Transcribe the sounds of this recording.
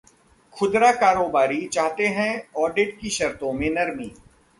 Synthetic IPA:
xʰʊd̪ɾakaːɾoːbaːɾit͡ʃaːɦt̪eɦɛ̃ɔːɖɪʈ̚kiʃɐɾt̪õmẽnɐɾmiː

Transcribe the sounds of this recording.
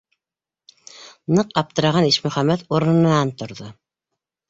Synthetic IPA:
nɤqɑp̚t̪ɤ̆ɾɑʁɑniʃmɵχæmːæt̪oɾ̆n̆nɑnt̪ŏɾðo

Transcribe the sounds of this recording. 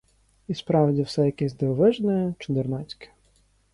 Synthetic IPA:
ispɾɑwdʲiwsɛjɐkɛsʲd̪eɔʋɪʒnɛt͡ʃɪd̪ernɑt͡sʲkɪ̥

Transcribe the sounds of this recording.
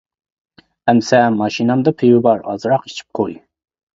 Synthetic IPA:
ɛmsɛmːɑʃinɑmd̪ɑpʰiwɪbɑɾɑ̰zɾɑqi̥t͡ʃʰi̥p̚qʰoi

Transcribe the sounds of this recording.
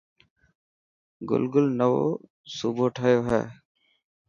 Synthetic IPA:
ɡʊ̰lɡʊlnəʋo̰ː | suːbʱoːʈʰəːjoːɦɛ̰ː

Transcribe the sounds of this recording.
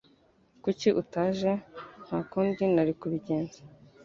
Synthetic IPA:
kuciʔutaːʒen̥haːkuːndinaɾikuβiɟe̞ːnze̥

